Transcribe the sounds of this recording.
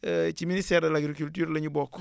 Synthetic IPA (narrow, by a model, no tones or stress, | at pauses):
t͡ʃiministɛːɾdɐlaɡɾikultyːɾlɐɲubɔk